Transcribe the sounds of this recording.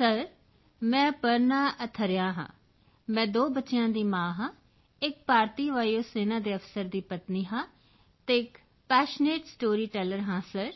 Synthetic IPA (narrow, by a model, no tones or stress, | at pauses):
səɾ | mɛ̃ːpəɾnaːʔət̪ʰəɾɪjãːɦã̰ː | mɛ̃ːd̪oːbətːʃjãːd̪iːmãːɦãː | ɪk̚paːɾt̪iːʋaːjoːseːnaːd̪eːəfsəɾd̪iːpət̪niːɦãː | t̪eːɪk | pɛːʃneːʈsʈoːɾiːʈɛːləɾɦãːsəɾ